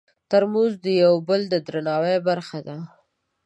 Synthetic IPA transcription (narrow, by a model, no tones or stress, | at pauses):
t̪aɾmuzd̪əjawbəld̪əd̪ɾanɑwejbaɾxad̪a